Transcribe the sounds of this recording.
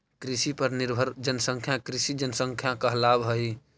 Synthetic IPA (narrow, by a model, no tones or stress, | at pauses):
kɾisipəɾniɾbʱəɾd͡ʒənəsə̃ŋkʰjãkɾisid͡ʒənsə̃ŋkʰjãkəɦlabɦəi